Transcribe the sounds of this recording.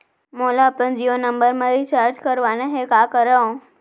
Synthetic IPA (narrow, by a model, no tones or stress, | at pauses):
molapənd͡ʒionəmbəɾmãɾit͡ʃaɾd͡ʒkəɾʋanaɦekakəɾəõ